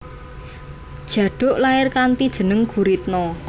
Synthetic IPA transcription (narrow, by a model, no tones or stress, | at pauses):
d̥ʒ̥ä̤ɖ̥ʊ̤ʔlaɪrkant̪id̥ʒ̥ə̤nəŋɡ̥uɾit̪̚nɔk